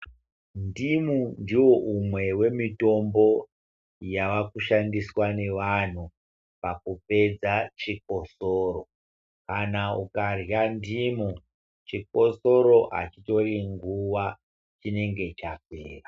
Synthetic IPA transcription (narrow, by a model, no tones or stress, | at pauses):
ndimundiwo̞ʔumwe̞we̞mito̞mbo̞ | jaʋakuʃandiswane̞ʋan̤u | pakupe̞d͡zat͡ʃik̚o̞soːro̞ | kanaukarjandimu | t͡ʃik̚o̞soɾo̞ɦa̰t͡ʃito̞riŋɡuʋa | t͡ʃine̞ŋɡe̞t͡ʃak̚eːra